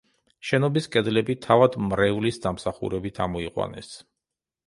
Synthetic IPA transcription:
ʃɛnɔbiskʼɛd̪lɛbit̪ʰavad̪mɾɛvlisd̪amsaχṵɾɛbit̪ʰamɔiqʼwa̰nɛ̰s

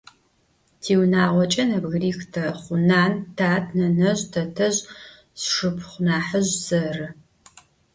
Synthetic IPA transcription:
tʰiːwnaːʁʷɔt͡ʃʼɐnɐbɣriːxtʰɐχʷʊnaːntʰaːtʰnɐnɐʑtʰɐtʰɐʑ | sʂɨpʰχʷʊnaːħəʑz̥ɐrɨ

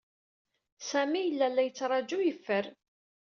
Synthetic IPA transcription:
sæmijəlːælːæjət͡sːɾˤɑd͡ʒujəfːəɾ

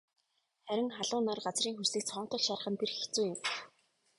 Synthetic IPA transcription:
χæɾʲɪ̆ŋχaɮʊːnarɢat͡sriːŋxusɘ̆k̚t͡sʰɔːn̥t̪ɞ̆ɮʃaɾə̆χə̆nt̪ʰerxi̥t͡suːjɪm

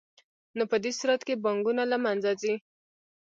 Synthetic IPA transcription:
nopəd̪esuɾat̪kebaŋɡunalamanzazi

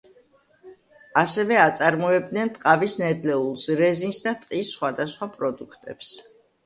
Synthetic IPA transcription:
asɛvɛat̪sʼaɾmɔɛb̚d̪nɛnt̪ʼqʼavisnɛd̪lɛulˠsɾɛzinsd̪at̪ʼqʼisːχwad̪asχwapʼɾɔd̪ukʰt̪ʼɛ̰ps

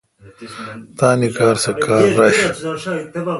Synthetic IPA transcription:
t̪aːnikaːɾsɐkʰaːɾːɐɕ

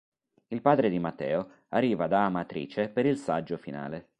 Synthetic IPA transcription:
ilpaːd̪ɾed̪imat̪ːɛ̰ːo | arːiːvad̪aːmat̪ɾḭːt͡ʃepeɾilsad͡ʒːofina̰ːle

